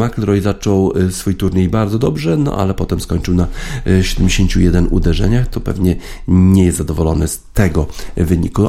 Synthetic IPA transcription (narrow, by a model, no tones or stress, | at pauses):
maklɾɔjzat͡ʂɔwsfujt̪uɾɲejbaɾd̪zɔd̪ɔbʐɛnɔ̰ʔa̰lɛpɔt̪ɛmskɔɲt͡ʂɘwnaɕɛd̪ɛmd͡ʑeɕeɲt͡ɕujɛd̪ɛnṵd̪ɛʐɛ̰ɲaxt̪ɔpɛ̰vɲɛɲɛjɛst̪zad̪ɔvɔlɔnɘst̪ɛɡɔvɘɲiku